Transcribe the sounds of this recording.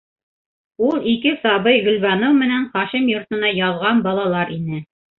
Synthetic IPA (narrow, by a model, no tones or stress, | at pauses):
ulˠikɘsɑβɤjʁɵ̆lβɑnowmɘ̆næɴχɑʃimjŏɾt̪ɤ̆nɑjɑðˠʁɑnbɑlˠɑlˠɑɾinɘ